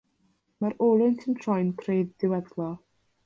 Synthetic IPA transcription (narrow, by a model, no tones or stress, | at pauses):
maɾoːlˠʊntʰəmtʰrɔjnkʰrejðdɪwɛðlˠɔ